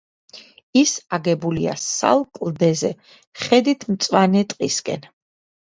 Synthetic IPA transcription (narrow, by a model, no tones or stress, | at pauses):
isaɡɛbulia̰sa̰lˠkʼlˠd̪ɛzɛ | χɛd̪it̪ʰmt̪sʼwanɛt̪ʼqʼiskʼɛ̰n